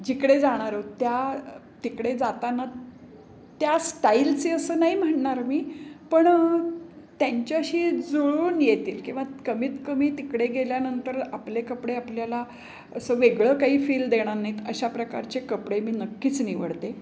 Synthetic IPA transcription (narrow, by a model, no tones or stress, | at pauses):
d͡ʑikɽed͡zaɽ̃aɾot̪ja | t̪ikɽed͡zat̪ana | t̪jasʈailt͡seəsəːnaɦim̤əʈɳaɾmiːpəɳ | t̪jaɲt͡ɕaəɕiːd͡zoɭuːnjet̪iːlkĩw̃ʋakəmiːt̪kəmiːt̪ikɽeɡeljanənt̪əɾaplekəpɽeapljala | əsəːʋeɡɭəːkaɦiːfiːld̪eɽ̃anait̪əɕapɾəka̰ɾt͡ɕekəpɽemiːnəkːiːt͡sniʋə̰ɽt̪e